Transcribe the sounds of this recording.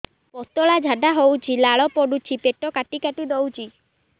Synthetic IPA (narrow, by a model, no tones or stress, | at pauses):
pɔt̪ɔɭad͡ʒʱad̪aɦowt͡ʃʰilaɭɔpɔɖut͡ʃʰipeʈɔkaʈikaʈid̪owt͡ʃʰi